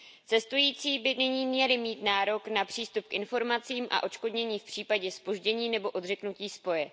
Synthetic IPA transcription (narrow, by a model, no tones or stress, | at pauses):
t͡sɛst̪ujiːt͡siːbɪnɪɲiːmɲɛlɪmiːt̪naːɾo̞knapr̥iːst̪up̚kʔɪnfo̞ɾmat͡siːmʔa̰ʔo̞t͡ʃko̞dɲɛɲiːfpr̝̥iːpaɟɛspo̞ʒɟɛɲiːnɛbo̞ʔo̞dr̝ɛknuciːspo̞jɛ